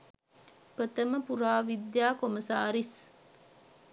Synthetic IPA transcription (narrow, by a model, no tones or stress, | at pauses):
pət̪əməpuɾaːʋid̪jaːkoməsaːɾis